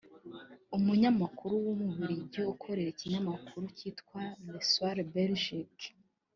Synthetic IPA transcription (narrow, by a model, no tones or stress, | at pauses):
umuɲamakuɾuwumuβiɾiɟoukʰo̞ɾe̞ɾiciɲamakʰuɾuciːtkwaneswaɾbelʒik